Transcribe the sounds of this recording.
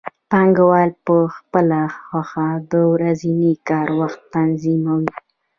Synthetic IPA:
pɑŋɡawɑlpəxpəlaxwaxad̪əwɾazinikɑɾwaxt̪ːanzimawi

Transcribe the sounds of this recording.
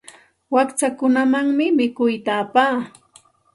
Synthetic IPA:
wakt͡ʃakʊnamaŋmɪmɪkʊjt̪aːpaː

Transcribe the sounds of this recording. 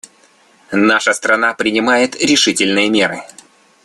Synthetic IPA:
naʂəst̪ɾɐnapɾʲɪnʲɪmajɪt̪ɾʲɪʂɨtʲɪlʲnɨjəmʲeɾɨ

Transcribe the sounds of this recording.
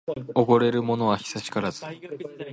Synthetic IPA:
o̞ɡo̞ɾe̞ɾɯ̟mo̞no̞βaçi̥saɕi̥kaɾazɨ

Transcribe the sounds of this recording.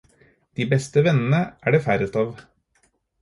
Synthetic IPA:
d̪̥iːbɛst̪əʋɛnn̩əʔæːɖeːfæɾʉt̪ɑʋ

